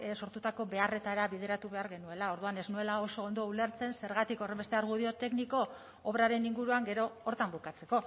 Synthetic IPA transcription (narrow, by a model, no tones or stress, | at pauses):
so̞ɾt̪ut̪ako̞βe̞are̞t̪aɾaβiðe̞ɾat̪uβe̞aɾɣe̞nue̞lao̞ɾðuane̞znue̞lao̞so̞ːnd̪o̞ule̞ɾt͡se̞nse̞ɾɣat̪iko̞re̞mbet̪e̞aɾɣ̞uð̞io̞t̪e̞kniko̞ː | β̞ɾaɾe̞niŋɡuɾuaŋɡe̞ɾo̞ːɾt̪ambukat͡se̞ko̞